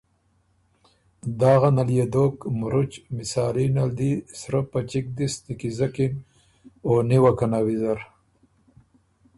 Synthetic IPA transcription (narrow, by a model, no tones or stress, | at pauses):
d̪aːɣanaljed̪oːkmuɾut͡ʃmisaːlinald̪isɾəpat͡ʃik̚d̪ist̪ikizakin | oːniwakanawizaɾ